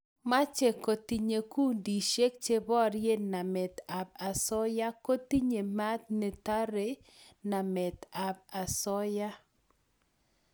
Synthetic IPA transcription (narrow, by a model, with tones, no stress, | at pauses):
ma˦t͡ʃe˨ko˨t̪i˨ɲe˨ku˦ndi˨ʃe˦k̚t͡ʃe˦bɔ˦ɾje˦na˨mɛ˨t̪a˨b̚a˨sɔ˦ja˦ko˦t̪i˦ɲe˨ma˦t̪̚ne˨t̪a˦ɾe˨ | na˨mɛ˨t̪a˨b̚a˨sɔ˦ja˦